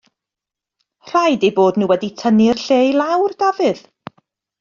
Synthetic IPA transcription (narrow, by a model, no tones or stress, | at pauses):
r̥ajdeboːdnuːwɛditʰənirɬejlˠawrd̥avɨð